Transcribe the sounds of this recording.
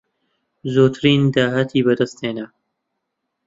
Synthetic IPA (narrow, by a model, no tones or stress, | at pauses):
zoːt̪ʰɨɾiːnd̪aːɦat̪ʰiːbɐd̪ɐst̪heːnɐ